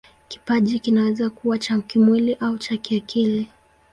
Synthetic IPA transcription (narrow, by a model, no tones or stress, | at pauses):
ki̥paʄikinawɛzakuwat͡ʃakimwiliʔaut͡ʃakiakʰili